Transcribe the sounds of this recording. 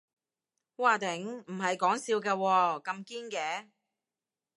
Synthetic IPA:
waː˧˩t̪ɪ˨˥ŋm̩˨˩ɦɐ˨jkɔː˨˥ŋsiː˧wkɛː˧wɔː˧kɐ˧mkiː˥nkɛː˨˧˥

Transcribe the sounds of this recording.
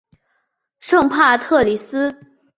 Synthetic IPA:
ʂɤ˥˧ŋpʰa˥˧t̪ʰɤ˥˩li˧˥sɹ̩˥

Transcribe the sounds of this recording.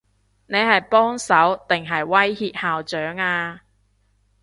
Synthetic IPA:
ne˨˧jɦɐ˨jpɔː˥ŋsɐ˨˥wt̪ɪ˨˩ŋɦɐ˨jwɐ˥jhiː˧p̚haː˨wt͡ʃœː˨˥ŋaː˧

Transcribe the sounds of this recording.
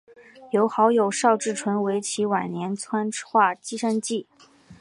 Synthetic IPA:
jo˧˥ʊxɑ˧˥ʊjo˨˩ʊʂɑ˥˧ʊʈ͡ʂɻ̩˥˩ʈ͡ʂʰwə˧˥nwe˧˥ɪt͡ɕʰi˧˥wa˨˩nnjɛ˧˥nt͡sʰwa˥nxwa˥˩t͡ɕi˥ʂə˥nt͡ɕi˥˩

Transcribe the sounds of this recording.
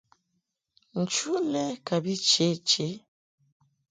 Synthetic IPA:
n̩˨t͡ʃu˦lɛ˦ka˨bi˦t͡ʃe˨˦t͡ʃe˨˦

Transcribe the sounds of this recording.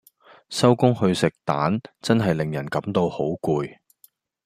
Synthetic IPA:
sɐ˥wkʊ˥ŋhɵ˧ɥsɪ˨k̚t̪aː˨˥nt͡sɐ˥nɦɐ˨jlɪ˨ŋjɐ˨˩nkɐ˨˥mt̪o˧who˨˥wkuː˨˧j

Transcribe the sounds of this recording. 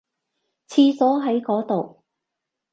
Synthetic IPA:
t͡sʰiː˧sɔː˨˥ɦɐ˨˥jkɔː˨˥t̪o˨w

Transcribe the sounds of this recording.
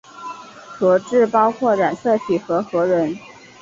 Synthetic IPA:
xɤ˧˥ʈ͡ʂɻ̩˥˩pɑ˥ʊkʰwɔ˥˩ɻa˨˩nsɤ˥˩t̪ʰi˨˩xɤ˧˥xɤ˧˥ɻə˧˥n

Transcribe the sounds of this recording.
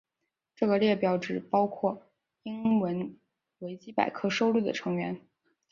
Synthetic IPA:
ʈ͡ʂɤ˥˩ɡə˩ljɛ˥˩pjɑ˧˩ʊʈ͡ʂɻ̩˨˩pɑ˥ʊkʰwɔ˥˩ | i˥ŋwə˧˥n | we˧˥ɪt͡ɕi˥pa̰˨˩ɪkʰɤ˥ʂo˥ʊlu˥˩d̪ə̰˩ʈ͡ʂʰɤ˧˥ŋɥɛ˧˥n

